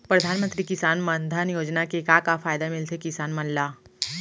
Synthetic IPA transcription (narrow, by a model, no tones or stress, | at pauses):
pɾɐd̪ʱaːnmə̃nt̪ɾikɪsaːnmənd̪ʱanjoːd͡ʒnakekaːkafaːjd̪amɪlt̪ʰekɪsaːnmɐ̃nlaː